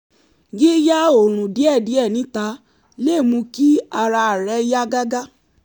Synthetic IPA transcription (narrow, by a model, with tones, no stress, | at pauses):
ɡi˦ja˦o˨ɾ̃ũ˨di˨˦ɛ˦˨di˨˦ɛ˦˨nĩ˨˦ta˧˦ | le˦˨mũ˧ki˦a˧ɾa˧a˨ɾɛ˨˦ja˦ɡa˦ɡa˦